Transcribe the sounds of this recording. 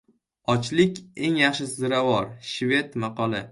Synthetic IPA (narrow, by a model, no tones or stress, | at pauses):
ɒt͡ʃlɪkʲe̞ŋjɑχʃɪsɪzɾawɒɾʃve̞t̪maqɒlˠɪ